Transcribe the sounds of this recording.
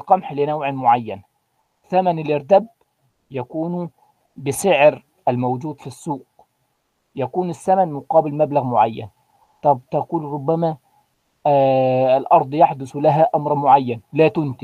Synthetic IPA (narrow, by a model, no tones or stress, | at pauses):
qɑmħlɪnawʕmʊʕajːan | θamænɪlʔɪɾd̪æb̚ | jækuːn | bɪsɪʕɾ | ʔælmowd͡ʒuːd̪fisːuːq | jækuːnɪsːæmænmʊqɑːbɪlmablaɣmʊʕajːa̰n | t̪ˤɑbt̪ɑkuːlɾˤʊbːæmæ | lʔɑɾˤd̪ˤjaħd̪ʊslaɦæʔamɾˤmʊʕajːænlæːt̪ʊnt̪i